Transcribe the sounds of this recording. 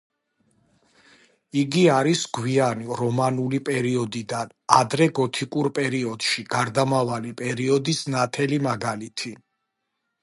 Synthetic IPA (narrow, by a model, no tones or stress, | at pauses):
iɡiaɾisɡwianiɾɔmanulipʼɛɾiɔd̪id̪anad̪ɾɛɡɔt̪ʰikʼuɾpʼɛɾiɔd̪̥ʃiɡ̥aɾd̪amavalipʼɛɾiɔd̪isnat̪ʰɛlimaɡalit̪ʰi